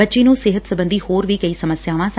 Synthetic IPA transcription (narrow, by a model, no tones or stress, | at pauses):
ətːʃeːnũːsɪɦət̪səbə̃nd̪iːhoːɾʋiːkəiːsəməsjaːʋãːs